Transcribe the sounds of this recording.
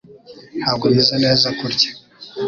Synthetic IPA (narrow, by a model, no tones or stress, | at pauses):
haɡumizaneːzakuɾɟe̥